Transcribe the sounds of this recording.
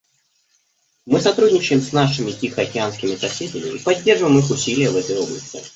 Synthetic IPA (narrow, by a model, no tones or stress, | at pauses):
mɨsɐt̪ɾudʲnʲɪt͡ɕɪjɪmsnaʂɨmʲɪtʲixəɐkʲɪanskʲɪmʲɪsɐsʲedʲɪmʲɪ̰ipɐdʲːerʐəvəɪmɨxʊsʲilʲɪjəvɛt̪əjo̞blˠə̰sʲtʲɪ̰